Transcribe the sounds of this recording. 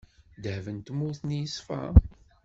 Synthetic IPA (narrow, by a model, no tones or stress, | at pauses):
d̪hvənt̪mːʊθnjəsfæ̰